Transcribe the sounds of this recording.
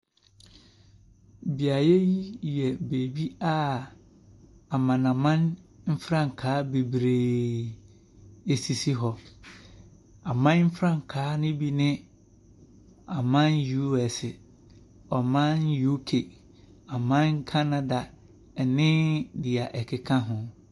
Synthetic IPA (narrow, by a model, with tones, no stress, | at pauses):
bi˨a˨jɛ˦ji˦jɛ˨be˨bi˦a˦ | a˨mã˨nã˨mã˦nm̩˦fɾã˦˨ŋ̩˨kʰaː˨˦be˨bɾeː˨ | e˨si˨si˦ɦɔ˨ | a˨mã˦n˦m̩˦fɾã˦˨ŋ˨kʰaː˨˦nʊ̃˦bi˦nɪ̃˦ | a˨mã˦nju˦ɛ˨sɪ˨ | ɔ˨mã˦nju˦kʰe˨ | a˨mã˦n˦kʰa˦nã˦da˨ | ɛ˨nɪ̃˦dɪ˨a˨ʔɛ˨kʰɪ˨kʰã˦ɦʊ̃˨